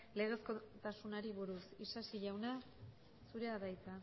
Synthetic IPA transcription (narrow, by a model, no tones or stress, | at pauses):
le̞ɣ̞e̞skot̪asunaɾiβuɾusisasiʎawna | suɾe̞aðajt͡s̪a